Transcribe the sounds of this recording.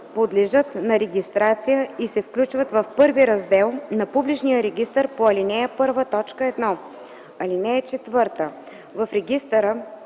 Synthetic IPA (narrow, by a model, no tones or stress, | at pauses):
pod̪lɛʒɤt̪nɐɾɛɡʲist̪ɾat̪sijəisɛfklʲut͡ʃvət̪vɐfpɤɾviɾɐzd̪ɛlˠnɐpublit͡ʃnijəɾɛɡʲist̪əɾpoɐlinɛəpɤɾvət̪ɔt͡ʃkəɛd̪nɔ | ɐlinɛɛt͡ʃɛt̪vɤɾt̪ə | vɐfɾɛɡʲist̪əɾə